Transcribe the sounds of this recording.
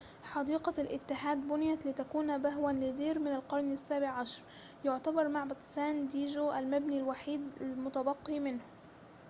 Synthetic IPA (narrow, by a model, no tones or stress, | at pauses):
ħɑd̪iːqɑlʔɪt̪ːɪħaːd̪bʊnɪjat̪lɪt̪akuːnbaɦwanlɪd̪iːɾmɪnalqɑɾˤnasːaːbɪʕʕaʃɑɾˤ | jʊʕt̪abɑɾˤmaʕbɑt̪ˤsaːnd̪iːʒoʔalmabnilwaħiːd̪almʊt̪abɑqːimɪnhʊ